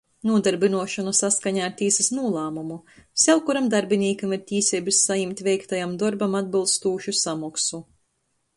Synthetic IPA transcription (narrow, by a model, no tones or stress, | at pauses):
nuɔd̪aɾbinuɔʃɔnasaskaɲaːɾt̪ʲiːsisnuɔlˠaːmumusʲɛwkuɾamd̪aɾbʲiniːkamiɾt̪ʲiːsʲɛbisːajimʲt̪ʲvʲɛjkt̪ajamd̪ɔɾbamad̪̚bilˠst̪uːʃusamɔksu